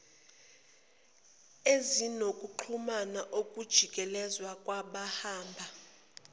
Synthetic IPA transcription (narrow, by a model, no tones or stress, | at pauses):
ezinokʼuǃʰumanaʔokʼud̥ʒ̥ʱikʼɛlɛzwakʼwaɓahaːmbʱa